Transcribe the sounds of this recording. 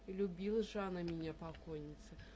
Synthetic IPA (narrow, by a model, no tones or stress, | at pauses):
ilʲubʲilˠɐʐanɐmʲinʲɛɐpakɔjnʲit̪sɐ